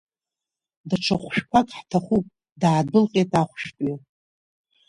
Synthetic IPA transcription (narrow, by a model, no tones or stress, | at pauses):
daʈ͡ʂʰaχʷʃᶣkʷʰakʼħtʰaχupʼ | daʕːdɨlqʼetʼaχʷʃᶣtʼi